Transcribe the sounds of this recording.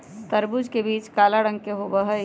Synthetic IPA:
t̪ɐɾbʊd͡ʒkebiːt͡ʃkaːlaɽə̃ŋɡkeɦobəɦə

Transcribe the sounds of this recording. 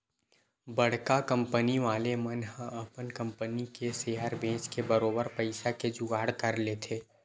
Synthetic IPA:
bɐɽ̤kakɐ̃mpəniʋaːlemənɦə̃ɐpənkɐ̃mpənikeseːjaːɾbẽːt͡ʃkebəɾoːbəɾpɐɪʃaked͡ʒʊɡaːɽkɐɾlet̪ʰeː

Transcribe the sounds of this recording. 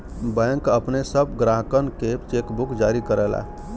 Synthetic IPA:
bɛ̃ŋkəpnesəbɡɾaɦkənket͡ʃekbukd͡ʒaɾikəɾəla̰

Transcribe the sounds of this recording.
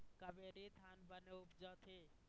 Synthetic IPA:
kəbeːɾid̪ʱaːnbəneʊpd͡ʒət̪ʰeː

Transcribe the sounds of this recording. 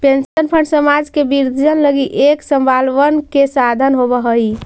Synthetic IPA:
pensənpʰəɳɖsəmad͡ʒkebiɾd̪ʱd͡ʒənləɡiʔeksəmbalʋənkesad̪ʱənɦobəɦəj

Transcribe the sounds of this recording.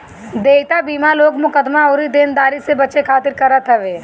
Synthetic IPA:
d̪eːt̪abiːmaloːɡmʊkəd̪maoːɾid̪eːnd̪aːɾisebɐt͡ʃekʰaːt̪ɪɾkɐɾat̪ʰɐʋeː

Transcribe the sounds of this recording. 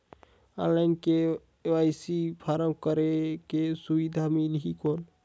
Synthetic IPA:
a̰nlaɪnke | ajsipʰaɾəmkəɾekesubid̪ʱamilɦikoːn

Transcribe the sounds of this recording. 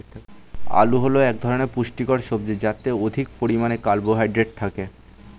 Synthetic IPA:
a̰luɦoloɛkd̪ʱɔɾoneɾpuʃʈikoɾʃob̚d͡ʑod͡ʑat̪ːeod̪ʱik̚poɾimanekalboɦajɖɾeʈ̚t̪ʰake

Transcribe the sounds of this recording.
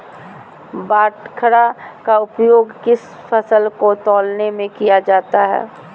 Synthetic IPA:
baːʈkʰəɾakaʊpjoːɡkɪs | fəsəlkot̪ɔːlnemẽkijad͡ʒaːt̪aɦɛ̰ː

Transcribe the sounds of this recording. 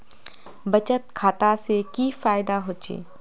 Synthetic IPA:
bɐt͡ʃət̪̚kʰaːt̪asekifaːɪd̪aɦoːt͡ʃḛː

